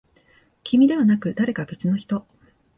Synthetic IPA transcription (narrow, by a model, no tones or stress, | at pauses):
kʲimʲid̪e̞βanakɯ̟d̪aɾe̞kabet͡sɨno̞çi̥t̪o̞